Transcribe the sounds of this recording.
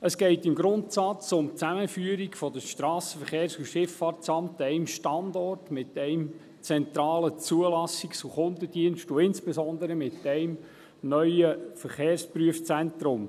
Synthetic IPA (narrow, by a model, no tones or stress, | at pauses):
əsɡ̥ɛɪtɪmɡɾʊnt̪sɑt͡sʊmt͡sæməfyəɾiɡfɔdəʃtɾɑːsə̥fəχeːɾsuʃɪfɑːrtt͡sɑmtɛɪmʃtɑndɔrtmɪtɛɪm | t͡sɛnt̪ɾɑːlət͡suəlɑsiksuχʊndəd̥iənʃtuɪnspɛzɔnd̪əɾəmɪt̪ɛɪm | nœʏəfəɾχeːɾspɾyəft͡sɛnt̪ɾʊm